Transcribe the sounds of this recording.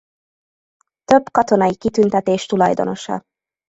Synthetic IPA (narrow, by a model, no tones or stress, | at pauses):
t̪ø̞bkɒt̪o̞nɒjikit̪ynt̪ɛt̪eːʃt̪ulɒjd̪o̞̰no̞ʃɒ̰